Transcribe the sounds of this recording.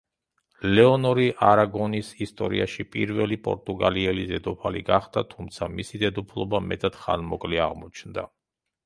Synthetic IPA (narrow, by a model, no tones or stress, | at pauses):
lɛɔnɔɾiʔaɾaɡɔnisist̪ʼɔɾḭaʃipʼiɾvɛlipʼɔ̰ɾt̪ʼuɡaliɛlid̪ɛd̪ɔpʰaliɡaχd̪at̪ʰumt̪sʰamisid̪ɛd̪upʰlˠɔbamɛt̪ʼad̪̥χa̰nmɔkʼliaʁmɔt͡ʃʰnd̪a̰